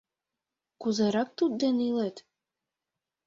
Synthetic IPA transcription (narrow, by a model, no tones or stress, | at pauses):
kuzeɾɑk̚t̪ud̪̚d̪enilet̪